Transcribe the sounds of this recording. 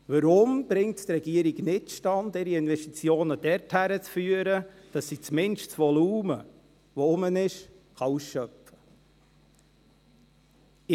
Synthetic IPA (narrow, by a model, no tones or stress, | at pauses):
ʋəɾʊmb̥ɾɪŋtt̪rɛɡiəɾiɡnɪtʃtɑndɪɾiɪnvɛʃtit͡sjoːnəd̥ɛɾthæɾət͡sfyːəɾə | d̥ɑsːit͡smɪnʃt͡sʋɔluːmə | ʋɔʊmənɪʃ | χɑusʃœpə̥